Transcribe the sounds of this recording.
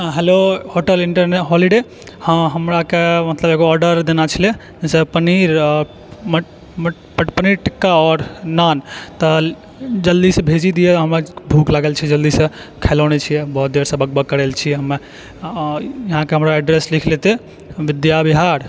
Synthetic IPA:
ɦelohoʈəliɳʈəɾneʈɦɔliɖe | əɦəmɾakemət̪ləbeɡoɔɾɖəɾd̪enat͡ʃʰəle | d͡ʒesəpəniɾ | m | ppəniɾʈikːaɔːɾnant̪ə | d͡ʒəld̪isebʱed͡ʒid̪ijet̪ɦəməbʱuklaɡelt͡ʃʰid͡ʒəld̪isə̃ | kʰelaʊnet͡ʃʰijɛbəɦut̪̚d̪eɾsəbʱəɡ̚bəkːəɾelt͡ʃʰiɛɦəme | jɐɦãkeɦəmɾaɛɖɾeslikʰlet̪e | ʋid̪jabiɦaɾ

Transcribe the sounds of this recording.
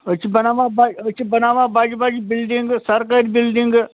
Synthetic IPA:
ət͡ʃʰibɐnaːʋãbaːət͡ʃʰibɐnaːʋãːbaːd͡ʒbad͡ʒibilɖiŋɡsɐɾkaːɾibilɖiŋɡ

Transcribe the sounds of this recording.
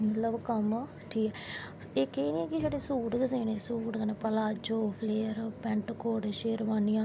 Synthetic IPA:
mət̪ləbkəm | ʈʰiːkɛː | eːkeːnĩɛːkɪsʰaːɖeːsuːʈksẽːnẽːsuːʈkəneːpəlaːd͡ʒoːpʰleːɾpɛɳʈkoːɽʃeːɾʋaːnijãː

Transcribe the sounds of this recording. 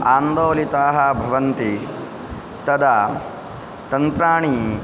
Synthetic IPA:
aːnd̪oːlit̪aːɦɐbʱɐʋɐnt̪i | t̪ɐd̪ɐ | t̪ɐnt̪ɾaːɳi

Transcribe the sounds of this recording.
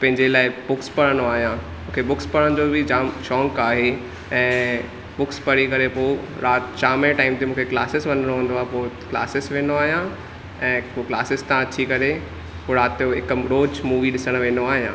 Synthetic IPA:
pɐ̃ɦɪ̃ɲd͡ʑelaːɪbʊkspɐɽəɽ̃oaːɦijã | mũːkʰebʊkspɐɽəɽ̃d͡ʑoːbʱɪd͡ʑaːmʃɔːŋkaːɦe | ɛ̃ː | bʊkspɐɾikɐɾepoː | ɾaːt̪t͡ɕaːmẽʈaːɪmt̪emũːkʰekla̰ːsɪsʋɐ̃nəɽ̃õɦũnd̪oaːɦepoːkla̰ːsɪsʋẽːnoaːɦijã | ɛ̃ːpoːklaːsɪst̪ãɐt͡ɕʰikɐɾe | poːɾaːt̪joɪkəmɾoːd͡ʑmuːʋiɗɪsəɽ̃̆ʋẽːnoaːɦijã̰

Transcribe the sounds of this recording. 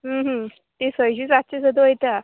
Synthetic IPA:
ɦəɦə | t̪esəjɕiːt͡satːt͡ɕesəd̪əəjt̪a

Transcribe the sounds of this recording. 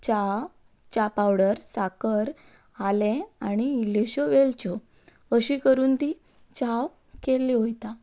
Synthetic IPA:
t͡ɕa | t͡ɕapawɽəɾsakəɾ | alẽaɽ̃iːleɕɔʋelt͡ɕɔ | əɕikəɾuːnt̪i | t͡ɕaw | kelĩɦojt̪a

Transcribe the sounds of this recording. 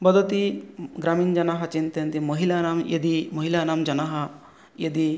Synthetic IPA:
bɐd̪ʱɐt̪iɡɾaːmind͡ʒɐnaɦɐt͡ʃint̪ɐnt̪imɐɦilanaːmjɐ̰d̪imɐɦilanaːmd͡ʒɐnaɦɐ | jɐd̪i

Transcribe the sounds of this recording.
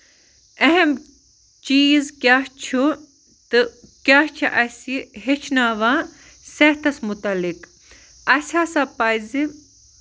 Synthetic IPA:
ɐɦɐm | t͡ʃiːzkʲaht͡ʃʰu | t̪ɨkʲaht͡ʃʰiʔɐsiɦet͡ʃʰnaːʋãː | sɐht̪ɐsmut̪ɐlik | ɐsʲaːsapazi

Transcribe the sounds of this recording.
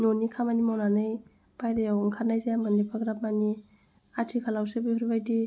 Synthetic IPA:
nonikʰamanimawnanɯj | bʰajdajawŋkʰanːajzajamanipʰaɡɾap̚mani | atʰikʰalawsebɯhuɾibajdi

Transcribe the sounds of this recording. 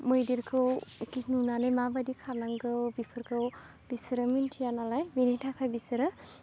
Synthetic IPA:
mojdiɾkʰɯwkitnunanɯjmabadikʰanaŋɡɯwbipʰɯɾkʰɯw | b̥isɾɯmintʰijanalajbinetʰakʰajbisɯɾɯ

